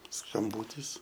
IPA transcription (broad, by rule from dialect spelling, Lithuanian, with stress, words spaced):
skɐmˈbuːtʲɪs